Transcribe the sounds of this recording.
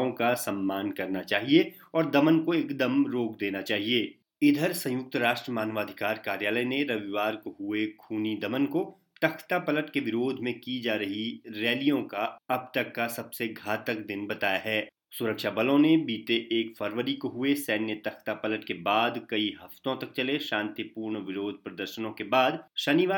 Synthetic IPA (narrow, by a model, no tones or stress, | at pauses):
õkasɐmːaːnkɐɾnat͡ʃaːɦie | ɔːɾd̪ɐmənkoɪkd̪əmɾoːkd̪eːnat͡ʃaːɦieː | ɪd̪ʱəɾsɐ̃jʊk̚t̪ɾaːʃʈɾəmaːnʋaːd̪ʱɪkaːɾkaːɾjaːləjneɾɐʋiʋaːɾkoɦʊekʰuːnid̪ɐmənko | t̪ɐkʰt̪apɐləʈkeʋɪɾoːd̪ʱmẽkid͡ʒaːɾɐɦiɾɛːlijõkaɐb̚t̪ɐkːasɐbseɡʱaːt̪ək̚d̪ɪnbɐt̪aːjaɦɛː | sʊɾəkʃabɐlõnebiːt̪eʔːkfʰɐɾʋəɾikoɦʊesɛːnjət̪ɐkʰt̪apɐləʈkebaːd̪kɐiɦɐft̪õt̪ɐk̚t͡ʃɐleʃãːnt̪ipuːɾɳʋɪɾoːd̪ʱpɾɐd̪əɾʃənõkebaːd̪ʃɐniʋaː